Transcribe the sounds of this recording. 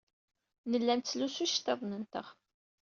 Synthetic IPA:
nəlːænt̪t͡sːlusuʃt̪ːɑðˤnənt̪ə̰ʁ

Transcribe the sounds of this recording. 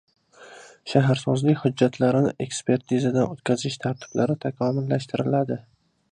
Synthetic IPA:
ʃaɦaɾsɒzlɪkʲhʊd͡ʒːat̪ʰlaɾɪnɪʔe̞kspʰe̞ɾt̪ʰizad̪anot̪kʲazɪʃt̪ʰaɾt̪ʰɪ̥b̥laɾɪt̪ʰakʰɒmɪlːaʃt̪ʰɪɾɪlad̪ɪ

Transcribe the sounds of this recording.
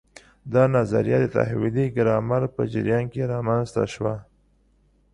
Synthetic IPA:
d̪ɑnaza̰ɾijɑd̪ət̪a̰hwɪliɡɾɑmaɾpə̰d͡ʒɪ̰ɾjɑnkeɾɑmanzt̪a̰ʃwa

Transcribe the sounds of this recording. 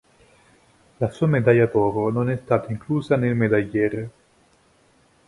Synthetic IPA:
lasuamed̪ajat̪ɔːɾononɛst̪aːt̪aiŋkluːzanelmed̪ajːɛɾ

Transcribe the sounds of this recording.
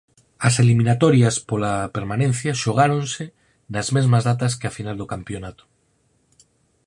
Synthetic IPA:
ɐselimĩnat̪oɾjaspolapeɾmanẽn̟θjaʃoɣ̞aɾõnse | nazmezmazðat̪askeafinald̪okampjonat̪o̥

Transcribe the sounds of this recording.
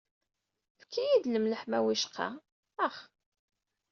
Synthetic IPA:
fkʰːijid̪ləmləħmæwiʃqʰɑ̰ | əχ

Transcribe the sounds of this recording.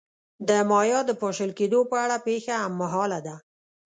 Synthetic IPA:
d̪əmɑjɑd̪əpoʃəlked̪opəaɽapexaamːaɦɑlad̪a

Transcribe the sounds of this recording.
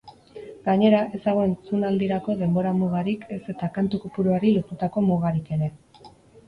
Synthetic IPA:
ɡ̥aɲe̞ɾaʔe̞zaɣoensunald̪iɾako̞ðe̞mbo̞ɾamuɣ̞aɾike̞se̞t̪akant̪ukopuɾuaɾilot̪ut̪ako̞muɣaɾike̞ɾe̞

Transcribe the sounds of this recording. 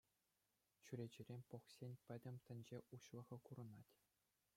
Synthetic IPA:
t͡ɕyɾʲed͡ʑɘ̆rʲemʲpoχsʲenʲpʲɘ̆dʲɘ̆mʲt̪ʲɘ̆nʲd͡ʑeʔuɕlˠɤ̆ʁɤ̆kuɾɤ̆nɑtʲ

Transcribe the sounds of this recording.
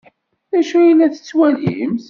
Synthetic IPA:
ðæʃujilːæθə̥t͡sːwælḭəms

